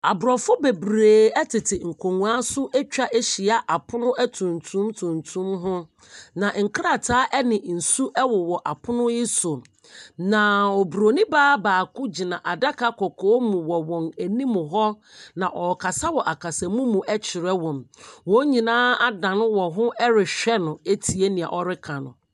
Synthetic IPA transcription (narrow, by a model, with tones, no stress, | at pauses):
a˨bʊ˨ɾɔ˨fʊ˦be˨bɾeː˨ɛ˦tʰɪ˨tʰɪ˨ŋ̩˨kʰo˨ŋũ˨a˦sʊ˦ʔɛ˦t͡ɕᶣa˦ʔe˦ɕi˨a˨ʔa˨pʰʊ˦nʊ̃˦ɛ˦tʰũ˨ntʰũ˦mtʰũ˨ntʰũ˦mɦʊ̃˦ | nã˨ŋ̩˨kʰɾa˦˨tʰaː˨˦ʔɛ˦nɪ̃˨n̩˨su˦ʔɛ˦wɔ˨wɔ˨ʔa˨pʰʊ˦nʊ̃˦jɪ˦sʊ˨ | nã˨ɔ˨bu˨ɾo˨nĩ˦baː˦baː˨kʊ˦d͡ʑi˨nã˨ʔa˨da˦kʰa˦kʰɔ˨kʰɔː˦mũ˨wɔ˨wɔ̃˨næ˨nĩ˦mʊ̃˨ɦɔ˦ | nã˨ʔɔ˨kʰa˨sa˦wɔ˨ʔa˨kʰa˨sɛ˨mũ˦mũ˨ʔɛ˦t͡ɕʰɪ˨ɾɛ˦wɔ̃˨mwɔ̃˦ɲĩ˨nãː˦a˦dã˨nʊ̃˦wɔ̃˨ɦʊ̃˦ʔɛ˦ɾɪ˨ɕᶣɛ˦nʊ̃˨e˦tʰi˨e˦nĩ˨a̰˨ʔɔ˦ɾɪ˦kʰã˨nʊ̰̃˨